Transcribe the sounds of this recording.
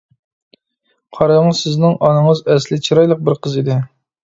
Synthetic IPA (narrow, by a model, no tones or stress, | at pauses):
qʰɑɾɑŋsɪznɪŋʔɑnɨŋəzɛslɪt͡ʃʰiɾɑjlˠəq̚bɪɾqʰəzid̪ɪ